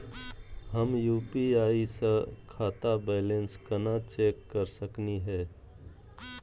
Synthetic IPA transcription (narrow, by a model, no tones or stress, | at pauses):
həmjuːpiaːisəkʰaːt̪abɛːlẽnskənat͡ʃeːkːəɾsəkniɦɛː